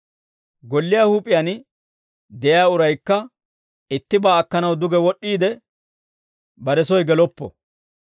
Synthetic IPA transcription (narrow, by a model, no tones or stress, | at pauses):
ɡɔlːɪjahuːpʼɪjan | d̪ɛjaːʊɾɐjkːɐ | ɪt̪ːɪbaːkːɐnɐwd̪ʊɡɛwɔɗːiːd̪ɛ | bɐɾɛsɔjɡɛlɔpːɔ̰